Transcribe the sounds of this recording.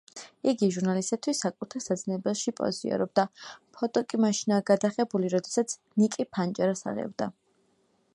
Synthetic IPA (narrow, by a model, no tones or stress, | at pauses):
iɡiʒuɾnalist̪ʼat̪ʰwisːakʼut̪ʰɛsad̪znɛbɛlʃipʼɔ̰zḭɔ̰ɾɔb̚d̪apʰɔt̪ʼɔkʼimaʃinaːɡad̪aχɛbuliɾɔd̪ɛsat̪sʰ | nikʼipʰant͡ʃʼaɾasa̰ʁɛ̰bd̪a